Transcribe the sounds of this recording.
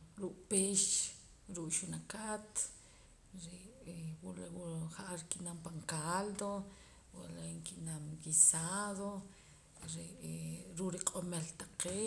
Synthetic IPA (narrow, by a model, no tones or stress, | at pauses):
ɾuʔpeːʃ | ɾuʔʼʃunakat̪ | ɾewulwuχaʔaɾikiʔnampaŋkald̪o | wlaŋkiʔnamkisaðo | ɾeʔɾuʔɾiqʼomelt̪aqeː